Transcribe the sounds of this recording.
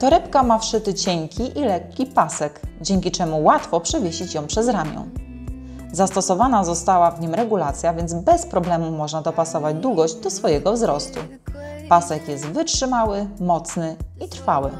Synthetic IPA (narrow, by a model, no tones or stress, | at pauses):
t̪ɔɾɛpkamafʂɘt̪ɘt͡ɕɛŋkʲiʔilɛkʲːipasɛɡd͡ʑeŋʲkʲit͡ʂɛmuwat̪fɔpʂɛvʲjeɕit͡ɕjɔ̃w̃pʂɛzɾamʲjɔ̰̃w̃ | zast̪ɔsɔvanazɔst̪awavɲimɾɛɡulat̪sʲjavʲjɛnd̪zbɛspɾɔblɛmumɔʐnad̪ɔpasɔvad͡ʑd̪wuɡɔʑd͡ʑd̪ɔsfɔjɛɡɔvzɾɔst̪u | pasɛkjɛst̪vɘt͡ʂʂɘmawɘmɔt̪snɘit̪ɾfawɘ̰